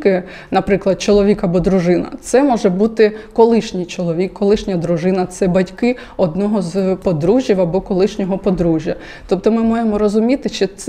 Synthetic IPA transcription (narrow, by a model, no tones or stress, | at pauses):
kɪ | nɐpɾɪklˠɐd̪̚t͡ʃɔlˠɔʋʲikɐbɔd̪ɾʊʒɪnɐ̰t̪sɛmɔʒɛbut̪ɪkɔlˠɪʃnʲijt͡ʃɔlˠɔʋʲikːɔlˠɪʃnʲɐd̪ɾʊʒɪnɐt̪sɛbɐtʲkɪ | ɔd̪nɔɦɔzpɔd̪ɾuʒʲjiwɐbɔkɔlˠɪʃnʲɔɦɔpɔd̪ɾuʒʲjɐ | t̪ɔp̚t̪ɔmɪmajemɔɾɔzʊmʲit̪ɪt͡ʃɪt̪s